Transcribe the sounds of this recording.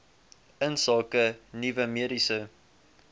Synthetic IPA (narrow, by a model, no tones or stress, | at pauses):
ənsɑːkənivəmiəɾisə